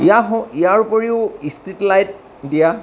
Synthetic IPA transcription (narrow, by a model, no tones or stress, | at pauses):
ijaɦɔ̃ijaɹpoɹiʊistitlajt̚ | dija